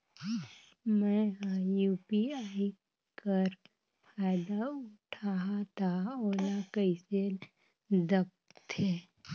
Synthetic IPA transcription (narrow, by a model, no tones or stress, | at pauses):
mɛ̃ajuːpiaːi | kəɾ | faːɪd̪aʊʈʰaɦat̪ʰaoːlakəɪse | d̪əp̚t̪ʰe